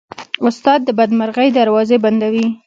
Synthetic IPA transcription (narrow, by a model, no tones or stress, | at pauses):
ʊst̪ɑd̪̚ːəbad̪maɾɣəjd̪aɾwɑzeband̪awi